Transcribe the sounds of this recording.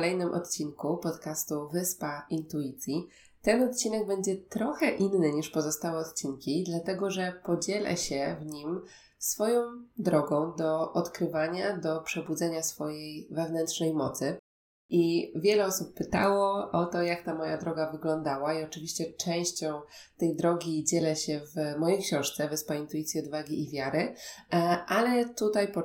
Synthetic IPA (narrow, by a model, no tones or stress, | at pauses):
lɛjnɘmʔɔ̰t̪t͡ɕiŋkupɔt̪kast̪uvɘspaint̪uit̪sʲji | t̪ɛnɔt̪̚t͡ɕinɛɡ̚bɛɲd͡ʑɛt̪ɾɔxɛʔinːɘɲiʂpɔzɔst̪awɛɔt̪t͡ɕinkʲid̪lat̪ɛɡɔʐɛpɔd͡ʑɛlɛ̰ɕɛvɲim | sfɔjɔ̃w̃d̪ɾɔɡɔ̃w̃d̪ɔʔɔt̪kɾɘvaɲad̪ɔpʂɛbud̪zɛɲasfɔjejvɛvnɛntʂnɛjmɔt̪sɘ | ʔivʲjɛlɛɔsupːɘt̪a̰wɔʔɔt̪ɔjakt̪amɔja̰d̪ɾɔɡavɘɡlɔnd̪awaiɔt͡ʂɘvʲiɕt͡ɕɛt͡ʂɛ̃w̃ɕt͡ɕɔ̃w̃ | t̪ɛjd̪ɾɔɡʲid͡ʑɛlɛɕɛvmɔjejkɕɔ̃w̃ʂt̪sɛvɛspaint̪uit̪sʲjiɔd̪vaɡʲiivʲjaɾɘ | ʔalɛt̪ut̪ajpɔ